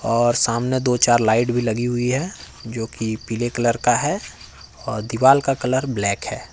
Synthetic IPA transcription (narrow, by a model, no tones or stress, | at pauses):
ɔːɾsaːmned̪oːt͡ʃaːɾlaːɪʈbʱilɐɡiɦʊiɦɛ | d͡ʒoːkipilekələɾkaɦɛ | ɔːɾd̪iʋaːlkakɐləɾblɛːkɦɛː